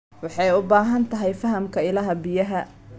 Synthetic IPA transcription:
wɑħɑjʊbaːɦɐnt̪ʰɐɦɛjfɐɦɐmkʰɐɪlɐɦɐbɪjɐɦɐ

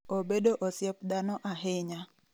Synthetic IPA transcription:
obedoʔosɪɛp̚d̪anɔʔaɦɪɲa

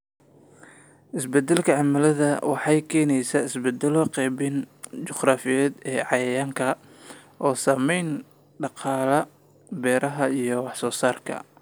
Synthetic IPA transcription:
ʔɪsbɛd̪ːɛlkʰɐʕɑmɐlɐðɐwɑħɑjkʰɛːnɛjsaɪsbɛd̪ɛlɔqɛːbɪnt͡ʃʊχraːfɪjɛːd̪ɛːʕɑjɐjaːŋkʰɐ | ʔɔːsaːmɛjn | ɖɑqɑːlɐ | bɛːɾɐɦɐijɔwɑħsɔːsaːrkʰɐ̰

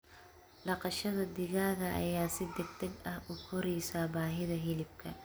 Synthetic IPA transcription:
ɖɑqɑʃɐðɐd̪ɪɣaːɣɐʔɐ̰jaːsɪd̪ɛɡ̚t̪ʰɐɡɐhʔʊkʰɔɾɛjsaːbaːɦɪðɐɦɪlɪb̚kʰɐ

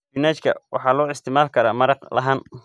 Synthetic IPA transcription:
ɪnaːt͡ʃkʰɐ̰wʔɑ̰ħɑːlɔːɪst̪ʰɪmaːlkʰɐɾaːmɐɾɑqlɐ̰ɦaːn

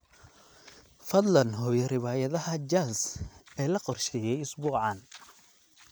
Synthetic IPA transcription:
fɐd̪lɐnɦɔjɐrɪβaːjɐðɐɦɐt͡ʃaːsɛːlɐqɔrʃɛːjɛjʊsbuːʕɑn

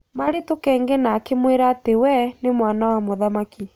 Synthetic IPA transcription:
maɾetokɛːŋɡenaːkemweɾaːtewɛnemwanawamoðamaki

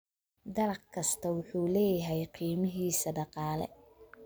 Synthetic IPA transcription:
d̪ɐlɐqkʰɐst̪ʰɐwʊħuːlɛːjɐɦɛjqiːmɪɦiːsɐɖɑqɑːlɛ̰

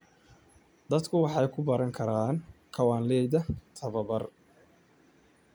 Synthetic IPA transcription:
d̪ɐd̪kʰʊwɑħɑjkʰʊbɐɾɐŋkʰɐɾaːnkʰɐwaːnlɛjd̪ɐt̪ʰɐβɐbɐr

